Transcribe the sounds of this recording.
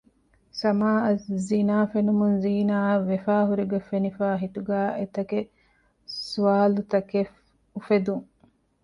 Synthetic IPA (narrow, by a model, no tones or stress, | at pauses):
sɐmaːɐszinaːfenumunziːnaːʋefaːɦuɾiɡɐfenifaːɦit̪uɡæːʔet̪ɐke | suʋaːlut̪ɐkef | ufed̪uŋ